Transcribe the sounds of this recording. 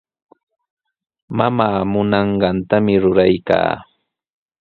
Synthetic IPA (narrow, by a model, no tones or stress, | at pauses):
mamaːmʊnɑɴɢɑnt̪amɪɾʊɾajka̰ː